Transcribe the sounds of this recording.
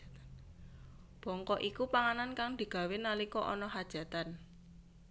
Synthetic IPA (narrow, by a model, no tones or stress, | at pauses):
b̥ɔ̤ŋkɔʔikupaŋanankaŋd̪̥i̤ɡ̥a̤wenalikɔʔɔ̰nɔɦad̥ʒ̥a̤t̪an